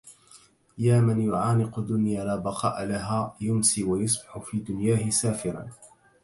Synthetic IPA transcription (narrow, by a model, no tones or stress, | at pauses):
jaːmanjʊʕaːnɪqʊd̪ʊnjaːlaːbɑqɑ̰ːʔalaɦaːjʊnsiːwajʊsˤbɪħʊfiːd̪ʊnjaːhɪsaːfɪɾɑ̰n